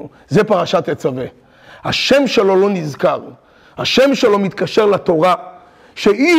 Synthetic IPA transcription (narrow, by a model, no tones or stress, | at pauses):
zepaʁaʃat̪et͡save | haʃe̞mʃe̞lo̞lo̞nizkaʁ | haʃe̞mʃe̞lo̞mit̪kaʃe̞ʁlat̪o̞ʁa | ʃei